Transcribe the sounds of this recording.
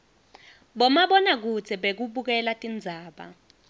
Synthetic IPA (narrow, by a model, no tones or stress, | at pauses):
ɓɔmaɓɔnak̬ut͡sʰɛɓek̬uɓuk̬ɛlatʼind͡zʱaːɓa̰